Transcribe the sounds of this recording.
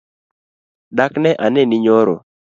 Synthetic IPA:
daknɛʔanenɪɲɔɾɔ̰

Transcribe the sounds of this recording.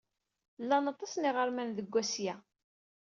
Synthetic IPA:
lːɑnɑt̪ˤɑsnɪʁəɾmænðəɡʷːæsjæ

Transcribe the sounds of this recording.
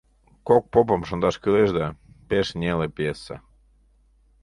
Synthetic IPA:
kok̚pop̬əmʃond̪ɑʃkyleʒd̪ɑ | peʃnʲelepjesːa̰

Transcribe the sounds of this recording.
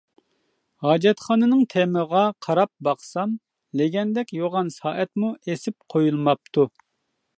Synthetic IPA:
hɑːd͡ʒɛt̪χɑːnɨnɨŋt̪ʰɛməʁɑqʰɑɾɑp̚bɑχsɑm | lɪɡʲɛnd̪ɛkʲjoʁɑnsɑːʔɛt̪̚muesɪp̚qʰojulˠmɑp̚t̪ʰu

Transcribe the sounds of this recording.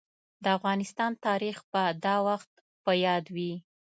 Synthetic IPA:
d̪əafɣɑnɪst̪ɑnt̪ɑɾixbad̪ɑwaxt̪̚ | pəjɑd̪wi

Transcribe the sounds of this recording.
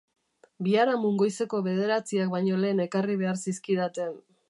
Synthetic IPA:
biaɾamuŋɡo̞jse̞ko̞βe̞ð̞e̞ɾat͡siak̚bajɲo̞le̞ːne̞kariβe̞aɾsiskiðat̪e̞n

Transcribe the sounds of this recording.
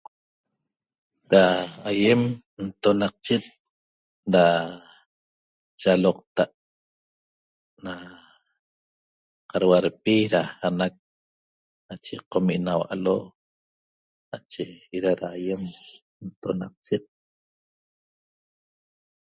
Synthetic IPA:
ɾaːjem | nt̪onɑq̚t͡ʃet̪̚ | da | t͡ʃaloqt̪aʔ | na | qaɾwaɾpiɾahanak̚ | nat͡ʃeqomiʔnawa̰ʔaloʔ | nat͡ʃeiɾaɾaːjem | nt̪onɑq̚t͡ʃet̪̚

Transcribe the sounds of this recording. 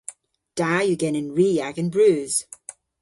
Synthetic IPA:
d̥ajəɡɛnɪ̃nɹiːjaɡə̃nbɹʉːz̥

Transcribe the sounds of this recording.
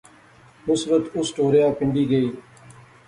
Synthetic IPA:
mʊsbət̪ʊsʈoːɾejãːpɪ̃ɳɖiːɡəiː

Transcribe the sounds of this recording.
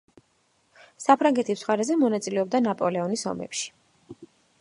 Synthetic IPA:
sapʰɾaŋɡɛt̪ʰisχaɾɛzɛmɔnat̪sʼilɛɔb̚d̪anapʼɔlɛɔnisɔ̰mɛ̰pʃi̥

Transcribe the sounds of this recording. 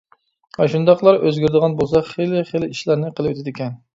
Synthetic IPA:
ɑʃund̪ɑqlˠɑɾøzɡʲyɾɪd̪ɨəʁɑnbolˠsɑχelɪχelɪiʃlæɾnɪqʰəlˠɨwøt̪ʰɪd̪ɪkʲɛn

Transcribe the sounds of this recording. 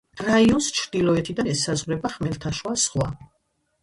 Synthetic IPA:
ɾaiɔnst͡ʃʰɾd̪̥ilɔɛt̪ʰid̪anɛsazʁwɾɛbaχmɛlt̪ʰaʃwasχwa̰

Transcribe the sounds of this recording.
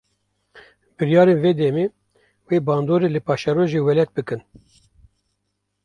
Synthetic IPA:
bɨɾjɑːɾeːnveːd̪ɛmeː | weːbɑːnd̪oːɾeːlɨpɑːʃɛɾoːʒeːwɛlɛt̪̚bɨkɨn

